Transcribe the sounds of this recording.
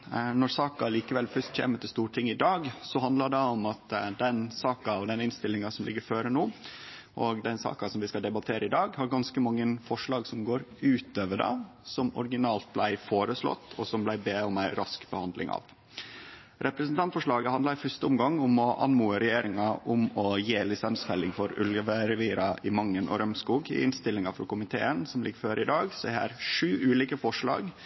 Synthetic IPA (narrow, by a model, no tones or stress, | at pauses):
nɔɾsɑːkɑliːkəʋɛlfœʂt̪çḛːmət̪ɪst̪uːʈʰɪŋːɪd̪ɑːɡsɔɦhɑnd̪lɑɖɑɔmɑt̪d̪ɛnsɑːkɑɔd̪ɛnɪnst̪ɪlːɪŋɑsɔmlɪɡːəɾføːɾənoː | ʔɔɡd̪ɛnsɑ̰ːkɑsɔmʋɪskɑd̪ɛbɑt̪ʰeːɾəɪd̪ɑːɡhɑɾɡɑnskəmɑŋːəfɔʂɭɑːɡsɔmɡoːɾʉːt̪øːʋəɖɑ̰ | sɔmɔ̰ɾɡɪnɑːlt̪̚blæɪfoːɾəslɔ̰t̪ːɔsɔmblæɪbeːɔmæɪɾɑskbəhɑnd̪lɪ̰ŋɑ̰ːʋ | ɾʔɛpɾəsn̩t̪ʰɑnt̪fɔʂɭɑːɡəhɑnd̪lɑɾfœʂʈ̪əʊmɡɑŋːʊmɔʔɑ̰nmuːəɾɛjeːɾɪŋɑʔʊmɔjeːlɪsɑnsfɛlːɪŋfɔɾʉləʋəɾɛʋiːɾɑɪmɑŋːənʔɔ̰ɾœmskuːɡɪ̰ɪnst̪ɪlːɪŋɑfɔ̰kʊmɪt̪ʰḛːənsɔmlɪɡːəføːɾɪd̪ɑːɡsɔɛhæ̰ːɾʂʉːʔʉːliːkəfɔʂɭɑ̰ːɡ